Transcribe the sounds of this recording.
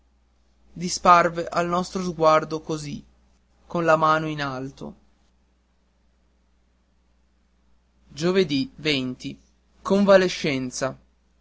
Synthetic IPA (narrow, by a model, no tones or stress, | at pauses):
d̪isparveʔalnɔst̪ɾozɡward̪okozi | konlamaːnoinalt̪o̰ | d͡ʒoved̪ivent̪i | koɱvaleʃːɛnt̪sa